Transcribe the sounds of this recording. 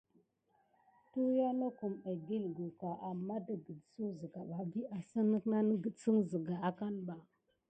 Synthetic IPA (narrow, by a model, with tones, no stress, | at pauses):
tu˦ja˦no˦ku˨ma˨bi˦lɡu˨ka˨ʔa˨mːa˦də˨ɡə˨dsu˦zə˨ɡa˨ɓa˨bi˦a˨sə˦nə˦kna˦nə˦ɡə˨t͡sə˦ŋzə˨ɡa˨a˨ka˦nba˨